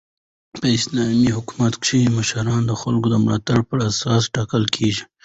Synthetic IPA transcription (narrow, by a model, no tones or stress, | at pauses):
pəɪslɑmiɦʊkumat̪kʂiiməʃaɾɑːnd̪əxalɡod̪əmlaːt̪ab̚pəɾasɑːsʈɑːkəlkʰeːʒi